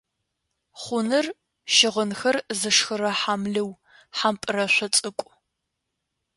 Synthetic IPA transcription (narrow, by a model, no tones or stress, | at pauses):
χʷʊnɨr | ʃɪʁənxɐrzɨʂxɨɾɐħamɮɨw | ħampʼɨrɐɕʷɔt͡sʼɨkʷʼ